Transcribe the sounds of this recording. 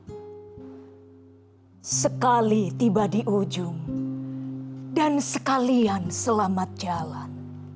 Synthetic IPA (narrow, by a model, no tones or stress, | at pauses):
səkalit̪ibadiʔud͡ʒʊŋ | dansəkaliansəlamat̪̚d͡ʒalan